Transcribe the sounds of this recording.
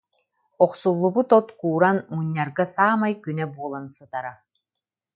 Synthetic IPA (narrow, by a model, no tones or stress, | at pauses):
ɔqsulˠːubut̪ɔt̪kuːɾanmuɲːaɾɡasaːmajkynɛbuɔlˠansɯt̪aɾa